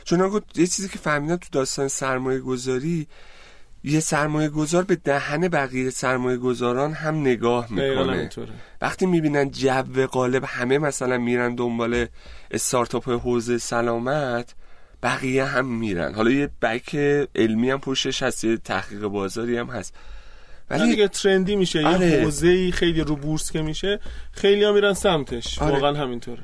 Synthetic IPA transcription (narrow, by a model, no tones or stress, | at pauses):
t͡ʃʰonɒɡojet͡ʃʰiːziːcʰe̞fæhmid̪ænt̪ʰud̪ɒːst̪ɒːnesæɾmɒːje̞ɡo̞zɒːɾi | je̞sæɾmɒːje̞ɡo̞zɒːɾbe̞d̪æhæne̞bæɣijesæɾmɒːje̞ɡo̞zɒːɾɒːnɦæmne̞ɡɒːhmikʰo̰nḛt̪ʰovʔæ̰χt̪iːmiːbiːnænd̪̚d͡ʒævːe̞ɣɒːle̞bhæme̞mæsælænmiɾænd̪o̞mbɒːle̞ʔest̪ɒɾt̪ʰɒpʰeɦoːze̞jesælɒːmæt̪ʰ | b̥æɣiːjeɦæmːiːɾæ̰nhɒlɒːjeb̥ækʰeelmiːjæmpʰo̞ʃt̪e̞ʃhæst̪je̞t̪ʰæ̰hɡiːɣe̞bɒːzɒːɾiːæmhæst̪ | væ̰liɡet̪ʰɾend̪iːmiʃejeɾehozeiːxejliɾubuɾskʰemiʃexejlijɒmiːɾænsæmt̪ʰe̞ʃvɒɾɒːɣæænɦæmint̪ʰoːɾe